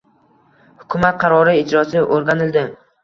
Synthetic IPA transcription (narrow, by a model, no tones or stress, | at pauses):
hʊkʰʊmat̪̚qʰɑɾɒɾɪɪd͡ʒɾɒsɪʔoɾɡʲanɪld̪ɪ